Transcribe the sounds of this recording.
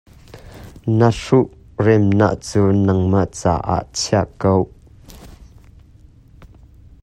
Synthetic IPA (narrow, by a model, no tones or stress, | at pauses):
nəʂuʔrɛmna̰ʔt͡suːnɐŋmaʔt͡sa̰ːʔa̰ʔt͡sʰiaʔkow